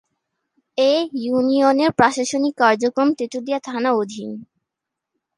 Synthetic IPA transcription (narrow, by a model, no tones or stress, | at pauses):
ejunioneɾpɾaʃaʃonikːaɾd͡ʑokɾomt̪ɾit̪ud̪iat̪ʰanaod̪ʱin